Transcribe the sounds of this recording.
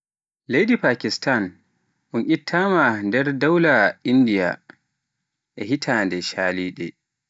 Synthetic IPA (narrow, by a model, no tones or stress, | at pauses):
lejdipaːkistan | ʔunʔʲitʰːaːmandɛɾdawlaindija̰ | ʔɛhitʰandɛʃaːliːɗɛ̰